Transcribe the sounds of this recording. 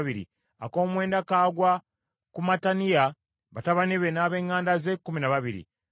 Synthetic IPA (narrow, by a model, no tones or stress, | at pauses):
βiɾḭ | a̰ko̞ːmwe̞ːndakaːɡwa | kumatanija | βataβaniβenaːβe̞ːŋːaːndaze̞kːuminaβaβiɾḭ